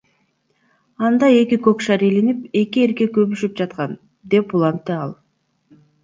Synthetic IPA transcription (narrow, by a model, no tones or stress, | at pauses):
ɑnd̪ɑe̞kikøkʃɑɾelinipe̞kie̞ɾke̞køβyʃyp̚d͡ʒɑt̪qɑn | d̪e̞pulˠɑnt̪ːeɑlˠ